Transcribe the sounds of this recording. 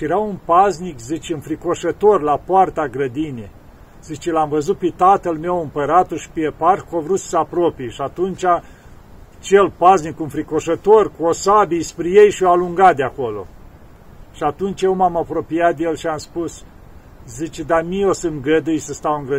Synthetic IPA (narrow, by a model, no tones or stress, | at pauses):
ʃjeɾaunpaznikzit͡ʃɨnfɾiko̞ʃət̪o̞rlapoart̪aɡɾəd̪ine | zit͡ʃelamvəzut̪̚pet̪at̪əlme̞wɨmpəɾat̪uʃi̥peeparkovɾut̪ssəapɾopijʃiat̪unt͡ʃʲa | t͡ʃelpaznikunfɾiko̞ʃət̪o̞rkuosabijspɾejejʃioaluŋɡat̪̚d̪eako̞lo̞̰ | ʃiat̪unt͡ʃjewmamapɾo̞pijat̪̚d̪ejelʃiamspus | zit͡ʃed̪amiosɨnɡəd̪ɨjsəst̪awɨŋɡɾə